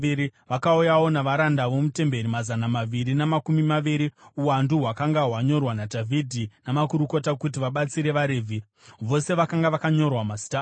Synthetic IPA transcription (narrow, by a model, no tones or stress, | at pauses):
iɾiʋakaujawo̞naʋaɾandaʋo̞mute̞mbe̞ɾimazanamaʋiɾinamakumimaʋiɾiuwanduɦwakaŋɡaɦwaɲo̞rwanadʱavʱidʱinamakuɾuko̞takutiʋaɓat͡siɾe̞ʋaɾeːvʱi | ʋo̞se̞ʋakaŋɡaʋakaɲo̞rwamasi̥ta